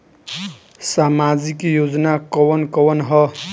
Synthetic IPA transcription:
samad͡zikjod͡zʌnakʌwʌnkʌwʌnɦʌ

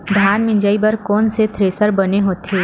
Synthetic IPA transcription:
d̪ʱjaːnmɪ̃ɲd͡ʒaːibɐɾkɔːnset̪ʰɾeːsəɾbɐneɦoːt̪eː

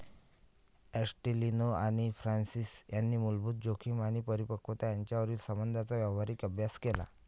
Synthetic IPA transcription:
esʈilinoaɽ̃ifɾansisjanːiːmulbʱuːt̪̚d͡ʑokʰiːmaɽ̃ipəɾipəkʰot̪ajaɲt͡ɕjaʋəɾiːlsəmbənd̪ʱat͡saʋjɛʋʋaɾiːkəbʱjaskela̰

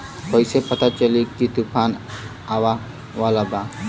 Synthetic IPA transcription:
kojsepət̪at͡ʃəlikit̪upʰan | aʋa | ʋalaba

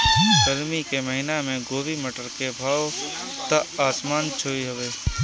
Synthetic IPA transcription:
ɡəɾmikeməɦɪnamẽɡoːbiməʈəɾkebʱaːʋ | t̪əaːsmaːnt͡ʃʰoːiɦəʋeː

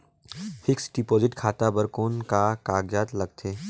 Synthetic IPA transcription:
fʰɪksɖipoːzɪʈkʰaːt̪abəɾkoːnkakaːɡjaːt̪lɐɡ̚t̪ʰeː

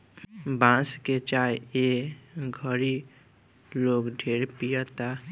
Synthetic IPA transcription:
bãsket͡ʃajeɡʱʌɾi | loɡɖʱeɾpijɔt̪a

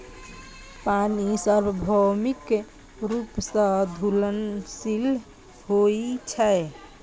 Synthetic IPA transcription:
panisəɾbəbʱɔmik | ɾupsə̃d̪ʱulənsil | ɦoit͡ʃʰɛ

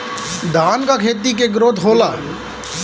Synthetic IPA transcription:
d̪ʱaːnkakʰeːt̪ik̬eɡɾoːd̪ʱɦoːlaː

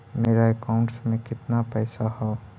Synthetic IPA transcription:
meːɾaekaʊ̃ɳʈsmẽkɪt̪napɛːsaɦɛː

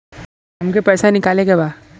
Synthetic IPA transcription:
ɦɐmkepɛːsanɪkaːleɡebaː

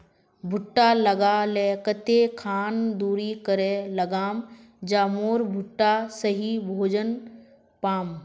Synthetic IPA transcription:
bʱʊʈːalɐɡalɛːkət̪ekʰaːnd̪uːɾikəɾelɐɡaːm | d͡ʒaːmoːɾbʱʊʈːasəɦibʱoːd͡ʒən | paːm

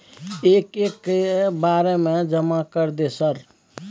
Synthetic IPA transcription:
eːkekːebaːɾemẽd͡ʒəmakəɾd̪esəɾ

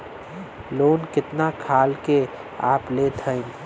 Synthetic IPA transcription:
loːnkɪt̪nakʰaːlke | a̰ːplet̪ʰəɪ̃

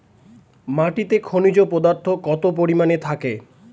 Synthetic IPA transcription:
maʈit̪ekʰonid͡ʑopɔd̪aɾt̪ʰokɔt̪op̬oɾimanet̪ʰake

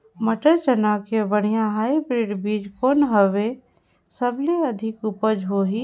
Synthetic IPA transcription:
məʈəɾt͡ʃənakebəɽ̤̃ijãɦaːibɾeːɖbiːd͡ʒkoːnɦəʋe | səbleɐd̪ʱɪkupəd͡ʒɦoɦi

